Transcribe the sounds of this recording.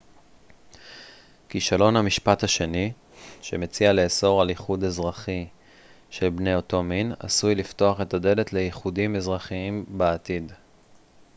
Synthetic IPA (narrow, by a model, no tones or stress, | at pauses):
kiʃalo̞nhamiʃpathaʃe̞ni | ʃe̞met͡siale̞ːso̞ʁaliχud̪azʁaχi | ʃe̞lbne̞oto̞mina̰sujlifto̞aχe̞tade̞le̞tle̞jiχudimezʁaχiimbeatid